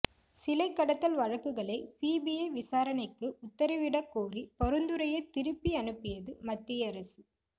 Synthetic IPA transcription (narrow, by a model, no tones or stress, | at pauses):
sɪlɐɪkːɐɽɐt̪ːɐlʋɐɻɐkːɯɣɐɭɐɪsiːbijɐɪʋɪsaːɾɐnɐɪkːɯʊt̪ːɐɾɐʋɪɽɐkːoːripɔɾɯnd̪ɯɾɐjɐt̪ɪɾɯpːiɐnɯpːɪjɐðɯmɐt̪ːɪjɐɾɐsɯ̥